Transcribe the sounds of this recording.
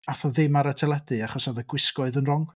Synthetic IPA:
aθɔðɪmaɾətʰɛlˠɛdɨaχɔsɔðəɡwɪskɔɨðənrɔŋ

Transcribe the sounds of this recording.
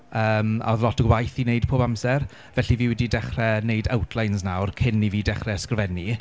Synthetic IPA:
əːma̰ɔðlɔtʰəɡwajθineɨd̥̚pʰoːbamsɛr | vɛɬiviːwɛdidɛχrɛneɨdawtʰlˠajnsnawrkʰɪnːiviːdɛχrɛskrvɛni

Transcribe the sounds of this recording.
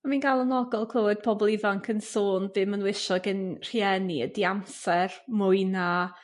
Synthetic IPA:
aminɡalˠənɔɡɔlˠkʰlˠəwɛd̥̚pʰɔbɔlˠivaŋkʰənsoːnbɨːmənwɪʃɔɡənr̥iɛniədiamsɛrmʊɨna

